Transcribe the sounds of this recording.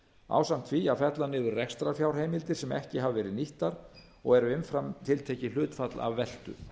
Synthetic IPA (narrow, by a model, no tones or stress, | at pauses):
a̰ːwsam̥t̪ʰviafɛt̪lanɪːðʏɾrɛkst̪ɾafjawɾ̥ɦeːjmɪlt̪ɪɾ̥sɛmɛ̰hcɪɦavvɛːɾɪðniht̪aɾ | ɔ̰ɣɛɾʏɪnfɾamt̪ʰɪlt̪ʰeːcɪlʏːt̪fat̪la̰vːɛl̥t̪ʏ̰